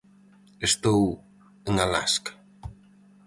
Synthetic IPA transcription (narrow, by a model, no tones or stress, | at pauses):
est̪ow | əŋala̰sk